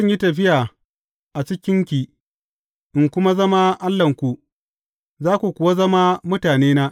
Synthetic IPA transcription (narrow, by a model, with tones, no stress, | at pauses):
ʊ˦ɲji˦tɐ˨ɸɪ˦jaː˨ | ʔa˨t͡ʃɪ˦kʲɪ˦ŋkʲiː˨ | ʔɪ˨ŋkʷʊ˦ma˦zɐ˦ma˦ʔa˦lːɐ˨ŋkʷu˨ | zaː˦kʷu˨kʷʊ˨wa˦zɐ˦ma˦mʊ˦taː˨neː˦na˦